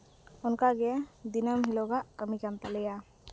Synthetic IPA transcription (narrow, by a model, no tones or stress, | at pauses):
ʊnkaɡɛad̪inəmɦilɔɡaʔkəmikamt̪alɛja